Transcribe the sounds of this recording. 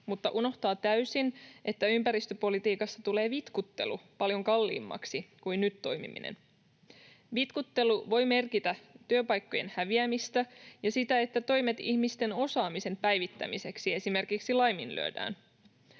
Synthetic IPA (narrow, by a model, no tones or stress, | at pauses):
mut̪ːɑʔuno̞ht̪ɑːt̪æysinʔe̞t̪ːæympæɾist̪øpo̞lit̪iːkɑsːɑt̪ule̞ːʋit̪kut̪ːe̞̰lupɑljo̞ŋkɑlːḭːmːɑ̰ksikujnnyt̪ːo̞jmḭmḭnḛn | ʋit̪kut̪ːe̞luʋo̞jme̞rkit̪æt̪yøpɑjkːo̞je̞̰nhæʋiæmist̪æjɑsit̪æe̞t̪ːæt̪o̞jme̞t̪ihmist̪e̞no̞sɑːmise̞mpæjʋit̪ːæ̰mise̞ksie̞sime̞rkiksilɑjminly̰ø̰dæ̰ːn